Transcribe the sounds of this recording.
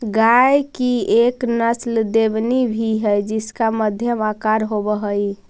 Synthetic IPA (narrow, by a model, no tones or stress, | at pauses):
ɡajkieknəsld̪ebnibʱiɦəjd͡ʒiskaməd̪ʱjəmakaɾɦobəɦəj